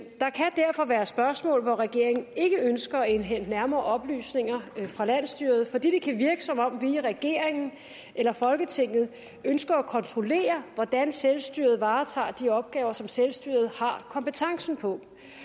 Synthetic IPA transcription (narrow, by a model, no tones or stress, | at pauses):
d̥ɑ̈kʰæd̥æɐfɒ̽ʋæːɐsb̥ɶɐsmɔ̰̽ːlʋɒʁɛɡ̥e̝ɐ̰e̝ŋn̩e̝ɡ̥əønsɡ̥ɐæe̝nɦen̰d̥næɐmɐːʔɒ̽b̥ly̰ːsne̝ŋɐfʁɑ̈læn̰sd̥yɐð̞̩ˠfɒd̥ḭːd̥e̝kʰæʋiɐɡ̥əsɒ̽mɒ̽m̰ʋiʁɛɡ̥e̝ɐ̰eŋn̩ | ʔelɐfɒ̽lɡ̥ət͡sʰe̝ŋ̰ð̩ˠ | ønsɡ̥ɐːkʰɒ̽nt͡sʰʁo̝le̝̰ːɐʋɒd̥ænselsd̥y̰ɐ̰ð̞̩ˠʋɑ̈ːt͡sʰɑ̰̈ːd̥iɒ̽b̥̚ɡ̥ɛːʊɐsɒ̽mselsd̥y̰ɐ̰ð̞̩ˠhɑ̈kʰɒ̽mpət͡sʰɑ̈ŋsn̩pʰɒ̽